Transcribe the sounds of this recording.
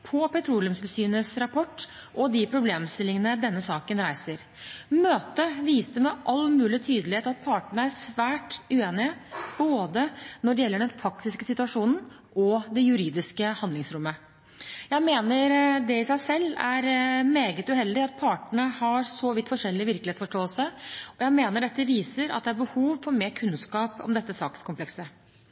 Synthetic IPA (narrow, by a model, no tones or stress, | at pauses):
pʰɔpɛt̪ʰɾuːljʉmsɪlsyːnəsɾɑpʰɔʈː | ʔɔd̪ɪpʰɾʊbleːmst̪ɪlːɪŋənəd̪ɛnːəsɑːkənɾæɪsəɾ | møːt̪əʋiːst̪əmɛʔɑlːmʉːlɪt̪ʰyːd̪əlɪeːt̪ɑt̪̚pʰɑːʈəɳəæʂʋæːʈʉeːnɪəboːd̪ənɔɖɛjɛlːəɖɛnfʰɾɑk̚t̪ɪskəsɪt̪ʉɑʂuːnn̩ | ʔɔd̪ɛjʉɾiːd̪ɪskəhɑnd̪ɪŋsɾʉmːə | jæɪmeːnəɾd̪ɛɪsæɪsɛlːæɾmeːɡət̪ʉhɛld̪ɪɑt̪̚pʰɑʈəɳəhɑɾsɔʋɪt̪ːfɔʂɛlːɪʋɪɾklɪeːsfɔʂʈoːəlsəɔjæɪmeːnəɖɛt̪ːəʋiːsəɾɑ̰t̪̚d̪ɛæɾbəhuːʋfɔɾmeːɾkʰʉnskɑːpɔ̰md̪ɛt̪ːəsɑ̰ːkəskʊmplɛksə